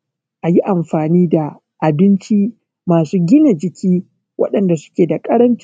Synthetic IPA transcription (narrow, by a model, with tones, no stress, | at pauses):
ʔa˨ji˦ʔa˨mɸaː˨niː˦da˨ | ʔa˨bɪ˦nt͡ʃi˦ | maː˨suː˦ɡʲɪ˦na˨d͡ʒɪ˨kʲiː˦ | wʔɐ̰˦ɗɐ˨nda˨sʊ̥˦kʲeː˨da˨kʼɐ˦ɽɐ˦nt͡ʃ